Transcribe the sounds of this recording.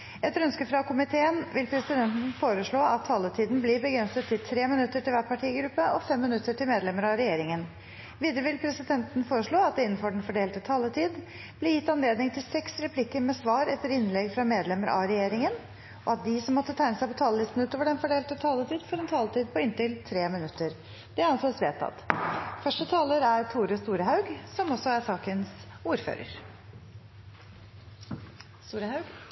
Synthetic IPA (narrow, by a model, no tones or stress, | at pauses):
ɛt̪ɾœnskəfɾɑkʰʊmɪt̪ʰeːənʋɪlpʰɾɛsɪd̪ɛnt̪n̩foːɾəʂɭoːɑt̪ʰːɑːlət̪ʰiːd̪n̩bliːbəɡɾɛnsət̪ʰːɪlt̪ʰɾeːmɪnʉt̪ːəʈɪlʋæːʈpɑʈʰiːɡɾʉpːəʔɔfɛmːɪnʉt̪ːəʈʰɪlmeːd̪lɛməɾɑɾɛjeːɾɪŋən | ʋiːd̪əɾəʋɪlpʰɾɛsɪd̪ɛnt̪n̩foːɾəʂɭoːɑt̪̚d̪ɛɪnːn̩fɔɖɛnfɔɖeːlt̪ət̪ʰɑːlət̪ʰiːd̪ | b̥lɪjɪt̪ːɑnleːd̪nɪŋt̪ʰɪlsɛksɾɛpʰlɪkːəɾmɛsʋɑːɾɛft̪ːəɾɪnlɛɡfɾɑmeːd̪lɛməɾʔɑ̰ɾɛjeːɾɪŋən | ʔɔɑt̪̚d̪ɪsɔmːɔt̪ːət̪ʰæɪnəsæɪpɔt̪ʰɑːləlɪst̪n̩ʉːt̪oːʋəɖɛnfɔɖeːlt̪ət̪ʰɑːlət̪ʰiːd̪fɔɾɛnt̪ʰɑːlət̪ʰiːd̪̚pʰɔɪnt̪ɪlt̪ʰɾeːmɪnʉt̪ːəɾ | d̪̥ɛæɾɑnsesʋeːt̪ʰːɑ̰t̪ːfœʂʈət̪ʰɑːləɾæɾt̪ʰuːɾəst̪uːɾəɦhɑʉɡsɔmɔsɔæsɑːkənsuːɾfø̰ːɾə̰ɾ | st̪uːɾəhɑʉɡ